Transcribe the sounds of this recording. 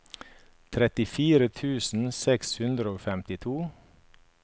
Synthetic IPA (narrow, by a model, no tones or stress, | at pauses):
t̪ʰɾɛt̪ɪfiːɾət̪ʰʉːsn̩sɛkshʉnd̪ɾəoːfɛmt̪ɪt̪ʰuː